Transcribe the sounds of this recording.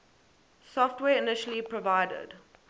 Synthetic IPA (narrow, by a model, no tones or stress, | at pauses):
sɔftwɛːɪnɪʃəl̩ipʰɹɔvaɪdə̰d̥